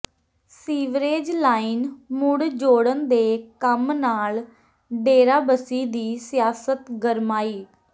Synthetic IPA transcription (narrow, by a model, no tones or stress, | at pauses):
siːʋɾeːd͡ʒlaːinmʊɽd͡ʒoːɽənd̪eːkəmnaːl | ɖeːɾaːbəsiːd̪iːsɪjaːsət̪ɡəɾmaːiː